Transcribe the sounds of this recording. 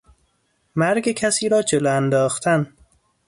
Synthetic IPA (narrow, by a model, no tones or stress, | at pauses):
mæɾɡekʰæsiːɾɒːd͡ʒeloænd̪ɒːxt̪ʰæn